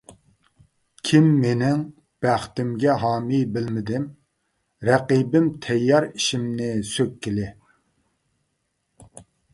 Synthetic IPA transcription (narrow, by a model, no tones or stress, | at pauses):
kʲʰimːenɪŋ | b̥æχt̪ɪmɡʲɛɦɑːmijbɪlmɪd̪ɪm | ɾɛqibɪmt̪ʰɛjːɑɾiʃimnɪsøkʲʰːɪlɪ